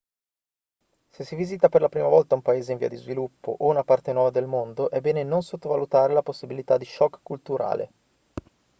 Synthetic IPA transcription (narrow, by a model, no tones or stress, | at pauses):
sesːiviːzit̪aperlapɾiːmavɔlt̪aumpaeːzeiɱvḭad̪izvilupːo̰ʔounapart̪enwɔːvad̪elmond̪oʔɛbːɛːnenonsot̪ːovalut̪aːɾelaposːibilit̪ad̪ːiʃɔkːkːult̪uɾa̰ːlḛ